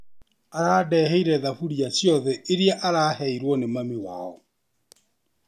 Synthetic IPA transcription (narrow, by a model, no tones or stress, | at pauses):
aɾaːdɛːɦɛiɾɛðafuɾiasjɔðɛʔeɾiaʔaɾaːhɛiɾwɔnemamewa̰ɔ